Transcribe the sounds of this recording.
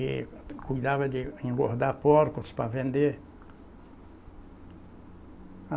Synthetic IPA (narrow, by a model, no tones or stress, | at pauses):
ɪkujd̪avɐd̪ɪẽŋɡoɾd̪aɾpoɾkʊspavẽnd̪eɾ | a